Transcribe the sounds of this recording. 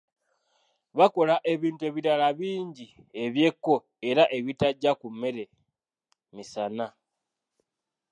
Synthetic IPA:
βako̞laʔe̞βiːntue̞βiɾalaβiːɲɟi | e̞βje̞kːo̞ | e̞ɾaʔe̞βitaɟːakumːe̞ɾe̞ | misana

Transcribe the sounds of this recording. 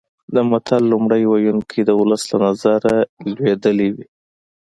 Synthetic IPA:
d̪əmat̪ʰalːumɽəjwajunkʰed̪əʊləslanazaɾalwed̪əliwi

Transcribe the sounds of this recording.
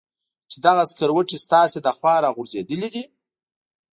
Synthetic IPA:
t͡ʃɪd̪aɣaskəɾwəʈist̪ɑsed̪axwɑɾɑɣʊɾzed̪əlid̪i

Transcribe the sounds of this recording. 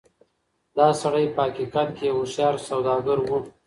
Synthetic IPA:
d̪ɑsaɽajpəakikɑt̪kewusjɑɾsawd̪ɑɡaɾwu

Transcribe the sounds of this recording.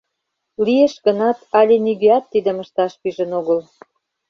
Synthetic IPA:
lijeʃɡə̆nɑt̪ɑlʲenyɣeɑt̪ːid̪ə̆mə̆ʃt̪ɑʃpyʒə̆noɣəl

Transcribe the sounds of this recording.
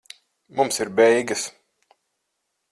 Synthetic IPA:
mumsiɾbɛjɡɐs

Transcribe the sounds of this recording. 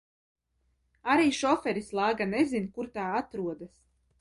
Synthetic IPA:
aɾiːʃɔfɛɾislˠaːɡanɛzinkuɾt̪aːat̪ɾuɔd̪as

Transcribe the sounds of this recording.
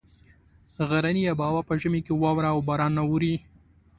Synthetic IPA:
ɣaɾanijabɑwapəʒəmekewɑwɾaːwbɑɾɑnːawuɾi

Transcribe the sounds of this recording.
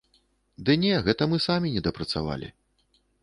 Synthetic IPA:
d̪ɨnʲɛɣɛt̪ɐmɨsamʲinʲɛd̪ɐpɾɐt̪sa̰va̰lʲḭ

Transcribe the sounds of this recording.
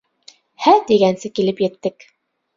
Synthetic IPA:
hæd̪iɡænsɘkilɘpjɘ̆t̪ːɘk

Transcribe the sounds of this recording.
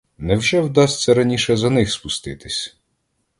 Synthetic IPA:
nɛwʒɛwd̪ɑsʲt̪ʲsɛɾɐnʲiʃɛzɐnɪxspʊst̪ɪt̪ɪsʲ

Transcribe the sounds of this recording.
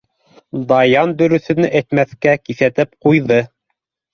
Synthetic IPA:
d̪ɑjɑnd̪ɵ̆ɾɵ̆θɵ̆nɘʔæt̪mæθkækiθæt̪ɘp̚qujðɤ

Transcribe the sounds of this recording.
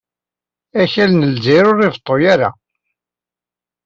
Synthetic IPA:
æçælnəlziɾʊɾːɪvət̪ˤːojaɾa

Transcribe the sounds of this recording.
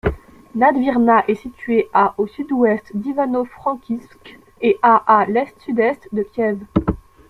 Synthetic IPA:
nad̪viʁnaʔɛsit̪ɥeaʔosyd̪wɛst̪d̪ivanofχɑ̃kʲisk | eʔaʔalɛst̪syd̪ɛst̪d̪əkʲjɛv

